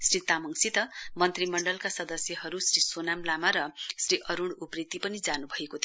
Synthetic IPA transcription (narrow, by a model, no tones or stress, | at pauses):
srit̪amʌŋsit̪ʌmʌnt̪rimʌɳɖʌlkasʌd̪ʌsjʌɦʌɾusrisonamlamaɾʌsriʔʌɾuɽuprit̪ːipʌnid͡zanubʱʌekot̪ʰ